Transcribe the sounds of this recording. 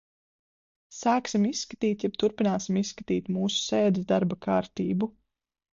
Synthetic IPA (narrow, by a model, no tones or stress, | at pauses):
saːksimisːkḁt̪iːt̪jɛb̥̚t̪uɾpinaːsimissːkat̪iːt̪muːsu̥seːd̪izd̪aɾbakaːɾt̪iːbu